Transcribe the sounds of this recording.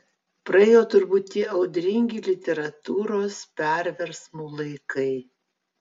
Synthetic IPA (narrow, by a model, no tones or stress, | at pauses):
pɾɐɛːjoːt̪ʊɾbuːt̪ʲt̪ːʲiːʔɐʊd̪ʲɾʲɪŋʲɡʲiːlʲɪt̪ʲɛɾɐt̪uːɾoːspʲɛɾʲʋʲɛɾsmuːlˠɐɪkɐɪ